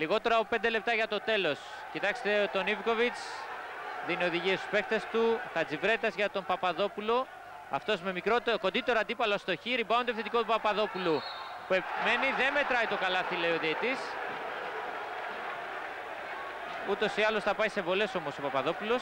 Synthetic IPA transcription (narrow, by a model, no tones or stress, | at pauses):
liɣo̞t̪e̞ɾɐpop̪d̪e̞le̞p̚t̪ɐʝɐt̪ot̪e̞lo̞s | cit̪ɐkst̪e̞t̪o̞niviko̞vit͡s | ðinio̞ðiʝiest̪u̥spe̞k̚t̪est̪uθɐd͡zivɾe̞t̪ɐzʝɐt̪o̞mpɐpɐðo̞pulo̞ | ɐft̪o̞zmemikɾot̪ko̞nd̪it̪e̞ɾɐnd̪ipɐlost̪o̞çiɾibɐont̪ofθet̪iko̞t̪upɐpɐðo̞pulupue̞pme̞niðe̞nme̞t̪ɾɐit̪o̞kɐlɐθileoðet̪is | ut̪o̞siɐlo̞sθɐpɐjse̞vo̞le̞so̞mo̞sopɐpɐðo̞pulo̞s